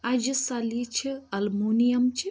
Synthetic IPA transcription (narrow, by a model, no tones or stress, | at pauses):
ad͡ʒisɐlit͡ʃʰiɐlmunijɐmt͡ʃi